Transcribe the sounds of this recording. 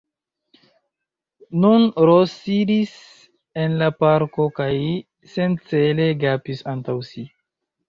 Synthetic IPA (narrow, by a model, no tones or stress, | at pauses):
nunɾosidis | e̞nlapaɾkokaj | sent͡sele̞ɡapisantawsi